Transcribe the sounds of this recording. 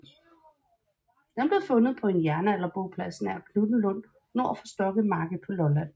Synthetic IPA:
d̥enb̥le̝fɔ̽nəð̩ˠpʰɒ̽e̝njæɐnəælɐb̥oʊpʰlæsn̩æɐkʰlub̥n̩lɔ̽n̰ | noɐ̰fɒ̽sd̥ɒ̽ɡ̥əð̩ˠmɑ̈ːɡ̥əpʰɒ̽lɒ̽læn̰

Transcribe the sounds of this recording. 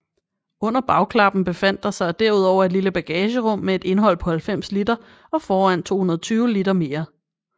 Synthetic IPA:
ɔ̽n̰ɐb̥ɑ̈ʊkʰlɑ̈b̥n̩b̥e̝fæn̰d̥ɑ̈sɑ̈ɪd̥eɐuð̞̰ˠɒʊ̰ɐe̝d̥liləb̥æɡ̥ɛːɕəʁɔ̽m̰mee̝d̥e̝nɦɒ̽l̰pʰɒ̽hælfem̰slid̥ɐ | ɒ̽fɒːæn̰t͡sʰo̝̰ːunɐðˠt͡sʰyːʊlid̥ɐme̝ːɐ

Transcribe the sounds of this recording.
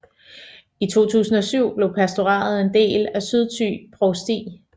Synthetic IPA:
it͡sʰo̝̰ːt͡sʰṵːsn̩ɒ̽syʊ̰b̥le̝ʊpʰæsd̥o̝ʁɑ̰̈ːð̞̩ˠe̝nd̥e̝̰ːlæsyð̞ˠt͡sʰy̰b̥ʰʁosd̥ḭː

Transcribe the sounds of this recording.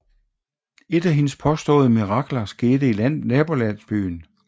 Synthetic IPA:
e̝d̥æɦe̝nəspʰɒ̽sd̥ɔ̰̽ːð̩ˠəmiʁɑ̈ɡ̥lɐsɡ̥e̝ːd̥əilæn̰ːɛːb̥o̝læn̰sb̥y̰ːn

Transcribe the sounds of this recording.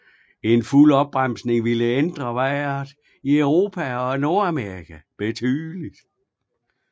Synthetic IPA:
e̝nfulɒ̽b̥ʁam̰sne̝ŋʋiləend̥ʁɐʋæɪɐðˠ | iœʊʁo̝ːpʰæɒ̽no̝ɐæmeʁikʰæb̥e̝t͡sʰyðˠlid̥

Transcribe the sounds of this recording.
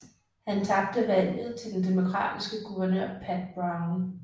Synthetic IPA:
hænt͡sʰɑ̈b̥d̥əʋæl̰jð̞̩ˠt͡sʰe̝ld̥end̥emo̝kʰʁɑ̰̈ːd̥isɡ̥əɡ̥uʋɐnøɐ̰pʰæd̥̚b̥ʁɑ̈ʊn

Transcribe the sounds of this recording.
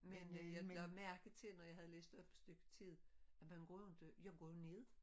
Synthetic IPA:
menjamæɐɡ̥ð̩ˠt͡sʰe̝lnɒjɑ̈hæð̞̩ˠlḛːsd̥ɒ̽b̥sd̥øɡ̥ət͡sʰið̰ˠæmænɡ̥ɔ̰jo̝d̥ejɑɡ̥ɔ̰jo̝ne̝ðˠ

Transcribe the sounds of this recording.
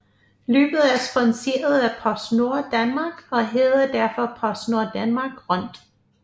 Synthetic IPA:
lø̰ːb̥ð̞̩ˠæɐsb̥ɒnse̝̰ɐð̞ˠæpʰɒ̽sno̝ɐd̥ænmɑ̈ːɡ̥ɒ̽ɦeːðˠɐd̥æɐfɒ̽pʰɒ̽sno̝ɐd̥ænmɑ̈ːɡ̥ʁɔn̰d̥

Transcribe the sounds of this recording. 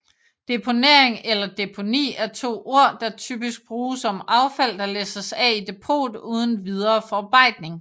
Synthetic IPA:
d̥e̝pʰo̝ne̝ɐ̰eŋelɐd̥e̝pʰo̝nḭːæɐt͡sʰo̝̰ːʔo̝ɐ̰d̥ɑ̈t͡sʰy̰b̥isɡ̥̚b̥ʁuːsɒ̽mɑ̈ʊfæl̰d̥ɑ̈leːsɐsɛid̥e̝pʰo̝̰ːd̥uːð̞ˠn̩ʋið̞ˠɐːfɒb̥ɑ̈ɪ̰d̥ne̝ŋ

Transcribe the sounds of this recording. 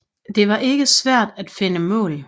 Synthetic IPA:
d̥e̝ʋɑ̈ʔe̝ɡ̥əsʋæɐ̰d̥æd̥fe̝nəmɔ̰̽ːl

